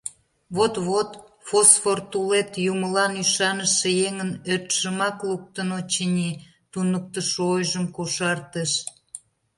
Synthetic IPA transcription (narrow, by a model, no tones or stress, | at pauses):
βot̪βot̪ | fosfort̪ulet̪juməlɑnyʃɑnəʃejeŋənørt̪ʃəmɑkluk̚t̪ənot͡ɕinʲi | t̪unək̚t̪əʃojʒəmkoʃɑrt̪əʃ